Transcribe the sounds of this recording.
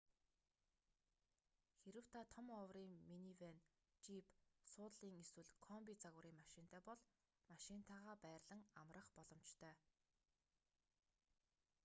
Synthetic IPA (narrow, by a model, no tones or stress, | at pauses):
xeɾɘ̆w̥t̪ʰat̪ʰɔmɔwriːŋminiwen | t͡ɕipsʊːt̪ɮiːŋeswɘ̆ɮkʰɔmpʲit͡saɣʊɾiːŋmaʃɪnt̪ʰœːpɔɮ | maʃɪnt̪ʰaːʁaːpæːrɮə̆ŋamrə̆χpɔɮɞ̆mt͡ɕt̪ʰœː